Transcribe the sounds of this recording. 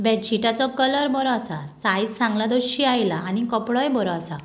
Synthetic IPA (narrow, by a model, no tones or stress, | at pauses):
bɛʈɕiʈat͡sɔkələɾbɔɾɔːsa̰sajd͡zsãŋɡlad̪oɕiajlaːnikəpɽɔjbɔɾɔasa